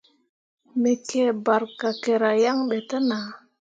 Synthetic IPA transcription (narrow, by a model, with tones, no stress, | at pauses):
me˨ke˦˨ba˨ɾka˨ke˨ɾa˨ja˦ŋɓe˨tə˦na˨